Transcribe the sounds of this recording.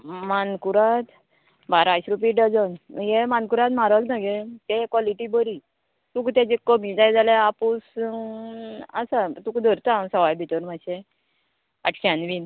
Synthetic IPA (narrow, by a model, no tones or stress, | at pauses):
mankuɾat̪ | baɾaɕɾup̬iɖəd͡zənjemankuɾat̪maɾəɡnaɡet̪ekʋaliʈibəɾi | t̪ukt̪ad͡ʑekəmid͡zajd͡zaleapus | asat̪ukd̪ʱəɾt̪asɔʋajbʱit̪əɾmaɕe | a̰ʈʰɕanʋiːn